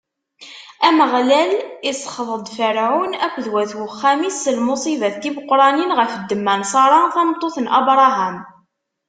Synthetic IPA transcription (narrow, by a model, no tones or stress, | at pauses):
æməʁlælisˤə̥χəðˤəd̪ˤfəɾʕunækʷːðwæθwəχːæmisːəlmʊsˤivæθt̪ːimʊqːɾˤɑninʁəfəd̪ːəmːænsˤɑɾˤɑθæmt̪ˤːoθənʔɑ̰bɾˤɑɦæm